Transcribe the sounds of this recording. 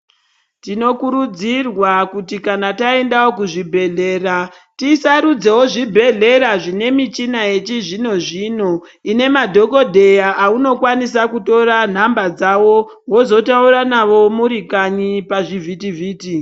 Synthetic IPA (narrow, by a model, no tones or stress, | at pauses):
tino̞kuɾud͡zirwakutikanatae̞ndawokuʐibʱe̞ɮe̞ːra | tisaɾud͡ze̞woʐibʱe̞ɮe̞ɾaʐine̞mit͡ʃinaje̞t͡ʃiʐino̞ʐino̞ | ine̞madʱo̞ko̞dʱe̞jaʔauno̞kwanis̬akuto̞ɾan̤ambad͡zawo̞ | wo̞zo̞tauɾanaʋo̞muɾikaɲipaʐivʱitivʱiːti